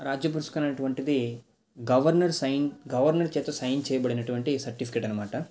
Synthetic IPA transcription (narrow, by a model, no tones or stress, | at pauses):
ɾaːd͡ʒjɐp̬uɾust̪ukɐnɐnɐʈuʋɐɳʈid̪i | ɡɐʋɐɾnɐɾsɐjnɡɐʋɐɾnɐɾt͡ʃɛːt̪ɐsɐjnt͡ʃɛːjɐbɐɽinɐʈuʋɐɳʈisɐɾʈipʰi̥keːʈɐnːɐmaːʈɐ